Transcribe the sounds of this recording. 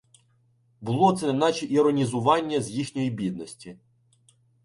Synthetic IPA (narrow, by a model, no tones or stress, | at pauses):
bʊlˠɔt̪sɛnnɑt͡ʃiʔiɾɔnʲizʊʋɑnʲːɐzʲjixnʲɔjibʲid̪̚nɔsʲtʲi